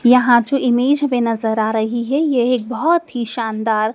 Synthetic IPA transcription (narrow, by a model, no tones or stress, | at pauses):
jɐɦãt͡ʃũʔimeːd͡ʒmenɐzəɾaːɾəɦiɦɛjeɦek̚bʱɔɦt̪ɦiʃand̪aːɾ